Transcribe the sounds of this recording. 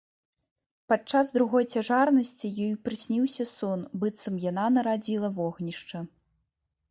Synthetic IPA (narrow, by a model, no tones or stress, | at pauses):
pat͡ʂazd̪ɾuɣɔjt͡sʲaʐarnɐsʲt͡sʲijɔjupɾɨsʲnʲiwsʲɐsɔnbɨt̪sɐmjananɐɾad͡zʲilˠɐvɔɣnʲiʂt͡ʂɐ